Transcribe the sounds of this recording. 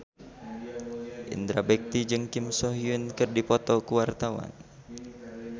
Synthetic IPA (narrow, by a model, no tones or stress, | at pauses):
ʔḭnd̪ɾabɛk̚t̪id͡ʒɨŋkimsɔɦiunkɨrdipɔt̪ɔkuwart̪awa̰n